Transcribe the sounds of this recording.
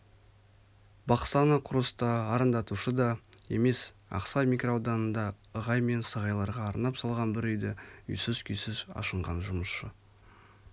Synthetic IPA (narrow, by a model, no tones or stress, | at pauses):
bɑqsɑnəqʰʊɾəst̪ɑːɾənd̪ɑt̪uʃəd̪ɑe̞̰me̞s | ɑ̰qsɑjmikrowd̪ɑnənd̪ɑ | əʁɑjme̞nsəʁɑjlˠɑɾʁɑːɾnɑpsɑlˠʁɑnbɪɾʏjd̪ɪʏ̰jsɪzkʲʰʏjsɪzɑ̰ʃəɴʁɑnʒʊməsʃə